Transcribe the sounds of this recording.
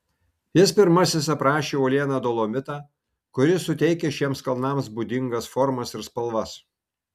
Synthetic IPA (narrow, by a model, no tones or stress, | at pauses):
jɪspʲɪɾmɐsʲɪsɐpɾɑːʃʲeːuːlʲiɛnɑːd̪oːlˠoːmʲɪt̪ɑː | kʊɾʲɪsʊt̪ʲɛɪkʲeːʃʲiɛmskɐlˠnɑːms̬bʊd̪ʲɪŋɡɐsfɔɾmɐsɪɾspɐlˠʋɐs